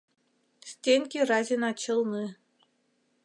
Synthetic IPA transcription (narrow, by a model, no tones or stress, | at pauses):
sʲtʲenʲkʲirɑzʲinɑt͡ɕɤ̆lˠnɨ